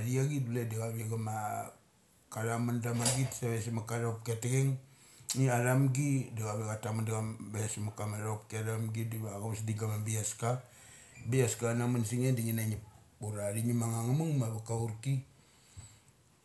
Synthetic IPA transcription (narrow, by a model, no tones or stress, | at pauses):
aɾiaɡiduledaɡaβiaɡama | kaɾamandamanɡitsaβes̬imakaɾap̚ketekeŋ | iaɾamɡidaɡaβiɡatamandaɡambaasmakamaɾap̚keɾamɡidiaɡaβsdiɡamabiaska | biaskanamansiŋendiŋinaɲiuɾaɾiɲimaŋaŋamuŋmaβakauɾti